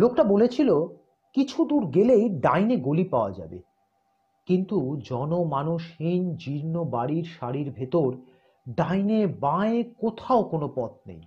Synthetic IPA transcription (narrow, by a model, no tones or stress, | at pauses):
lokʈabolet͡ɕʰilo | kit͡ɕʰud̪uɾɡelejɖajneɡolipaoad͡ʑa̰bḛ | kint̪ud͡ʑɔnomanuʃhind͡ʑiɾnobaɽiɾʃaɾiɾbʱet̪oɾ | ɖajnebãekot̪ʰaokonopɔt̪̚nḛj